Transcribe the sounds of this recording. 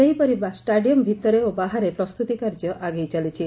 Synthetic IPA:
eɦipɔɾibasʈaɖijɔmbʱit̪ɔɾeobaɦaɾepɾɔst̪ut̪ikaɾd͡ʒjɔʔaɡejt͡ʃalit͡ʃʰi

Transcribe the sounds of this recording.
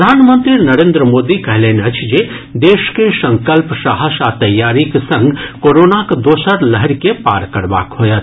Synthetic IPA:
d̪ʱaːnmə̃nt̪ɾinɐɾẽːnd̪ɾəmoːd̪ikɐɦleːneɐt͡ʃʰd͡ʒe | d̪eːʃkesɐ̃ŋkəlpsaɦəsat̪ɐjːaːɾiksɐ̃ŋɡkoːɾoːnakd̪oːsəɾləɦəɾkepa̰ːɾkɐɽba̰ːkɦoːjat̪

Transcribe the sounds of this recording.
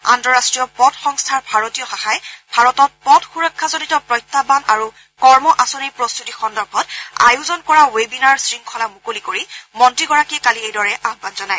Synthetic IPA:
a̰ntɔɹastɹijɔpɔdxɔŋstʰaɹbʱaɹotijɔxaxajbʱaɹɔtɔt̚pɔdxuɹɔkʰːazonitɔpɹɔjtʰːabanaɹu | kɔɹmɔʔasɔnejpɹost̪utixɔndɔɹbʱɔta̰juzɔnkɔɹawebinaɹsɹiŋkʰɔlamukolikoɹimɔntɹiɡɔɹakiɛkaliejdɔɹɛʔaɡbʱadzɔnaj

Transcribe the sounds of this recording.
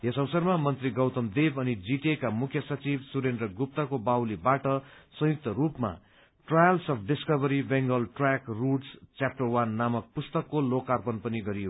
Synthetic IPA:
jesʌwʌsʌrmamʌnt̪riɡʌwt̪ʌmd̪ebʌnid͡ziʈekamukʰjʌsʌt͡sibsuɾendrʌɡup̚t̪ʌkobawlibaʈʌsʌ̃juk̚t̪ʌɾupma̰ | ʈrajʌlsʌpʰɖiskʌbʌɾibeŋɡʌlʈrakruʈst͡sjap̚ʈʌrwanːamʌk̚pust̪ʌkːolokːarpʌnpʌniɡʌɾijo

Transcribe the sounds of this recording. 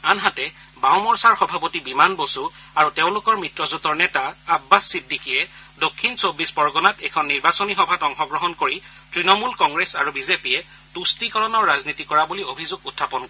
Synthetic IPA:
anɦatɛ | bawmɔɹsaɹxɔbʱapotibimanbosu | aɹutẽʊ̃lʊkɔɹmɹitɹɔzutɔɹnɛtaːbːasːidʱikiɛ | dokʰːinsobːisbɔɹɡɔnatɛkʰɔnːiɹbasonixɔbʱatɔŋxɔɡɹɔɦɔnkoɹi | tɹinɔmulkɔŋɡɹesa̰ɹubizepijɛ | tustikɔɹɔnɔɹːaznitikɔɹabuliobʱizoɡutʰːapɔnkɔɹɛ

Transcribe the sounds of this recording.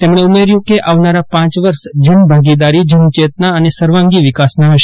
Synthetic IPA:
t̪emɽ̃eumeɾjũkeʔaʋnaɾapãt͡ʃʋəɾʃd͡ʒənbʱaɡid̪aɾid͡ʒənt͡ʃet̪naənesəɾʋãŋɡiʋɪkasnaɦəʃ

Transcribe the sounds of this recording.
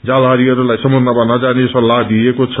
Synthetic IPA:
d͡zalaɾiʌɾulajsʌmod̪ʱnabanad͡zaneʌsʌlaɦd̪iekot͡sʰ

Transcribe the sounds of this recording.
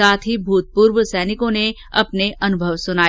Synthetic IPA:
aːt̪ʰɦibʱuːt̪̚puːɾʋsɛːnɪkõne | ɐpneɐnʊbʱəʋsʊnaː

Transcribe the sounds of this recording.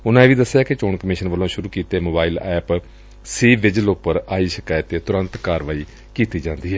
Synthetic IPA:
ʊnãːẽːʋiːd̪əsːjaːket͡ʃoːɳkəmɪːʃənʋəlõːʃʊɾuːkiːt̪eːmoːbaːiːlɛːp | siːʋɪd͡ʒəlʊpəɾaːiːʃəkaːət̪eːt̪ʊɾənt̪kaːɾʋaːiː | kiːt̪iːd͡ʒãːnd̪iːɦɛː

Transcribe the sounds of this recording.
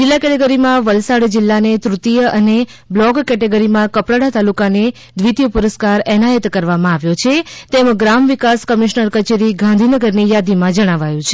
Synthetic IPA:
d͡ʒɪlːakɛʈeɡəɾimãʋəlsaɽd͡ʒɪlːanet̪ɾut̪ijəʔəne | blɔɡkɛʈeɡəɾimãkəpɽəɽat̪alukane | d̪ʋit̪jəpuɾəskaɾɛnajət̪kəɾʋamãaʋjot͡ʃʰet̪emɡɾamʋikaskəmiʃnəɾkət͡ʃeɾiɡãnd̪ʱinəɡəɾnijad̪imãd͡ʒəɽ̃aʋajũt͡ʃʰe

